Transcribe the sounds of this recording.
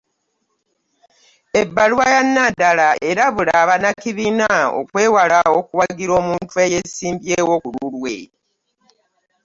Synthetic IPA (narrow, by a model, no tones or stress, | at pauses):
ebːalwajanːadalae̞ɾaβulaβanakiβinao̰kwe̞ːwalaokuwaɡiɾo̞ːmuːntuejesiːmbjeːwokululwḛ